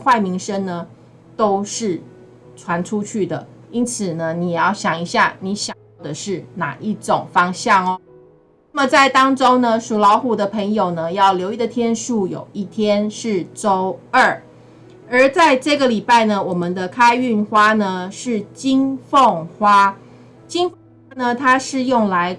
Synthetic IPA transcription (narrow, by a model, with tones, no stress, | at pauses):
xwa˥˩ɪmi˧˥ŋʂə˥ŋnə˧ | t̪o˥ʊʂɻ̩˥˩ | ʈ͡ʂʰwa˧˦nʈ͡ʂʰu˥˦t͡ɕʰy˥˩d̪ə˩i˦˥nt͡s̩ʰ˨˩nə˦ni˨˩jɛ˨˩jɑ˥˩ʊɕjɑ˨˩ŋi˧˥ɕja˥˩ni˧˥ɕjɑ˨˩jʊd̪ə˨˩ʂɻ̩˥˩na̰˨˩ʔi˥˩ʈ͡ʂo˨˩ŋfɑ˥ŋɕjɑ˥˩ŋɔ˨ | nna˥˩mə˨t͡sa˥˩ɪt̪ɑ˥ŋʈ͡ʂo˥ŋnə˧ʂu˨˩lɑ˧˥ʊxu˨˩d̪ə˨pʰə˧˥ŋjo˨˩ʊnə˦jɑ˥˩ʊljo˧˥ʊi˥˩d̪ə˨t̪ʰjɛ˥nʂu˥˩jo̰˨˩ʊi˥˩t̪ʰjɛ˥nʂɻ̩˥˩ʈ͡ʂo˥ʊə˥˩ | ə˞˨˧˥t͡sa˥˧ɪʈ͡ʂɤ˥˩ɡə˩˨li˨˩pa˥˩ɪnə˩wɔ˨˩mə˨nd̪ə˧kʰa˥ɪy˥˩nxwa˥nə˧ʂɻ̩˥˩t͡ɕi˥ŋfo˥˨˩ŋxwa˥ | t͡ɕi˥ŋfŋwa˥nə˧t̪ʰa˥ʂɻ̩˥˧jʊ˥˩ŋla˧˦ɪ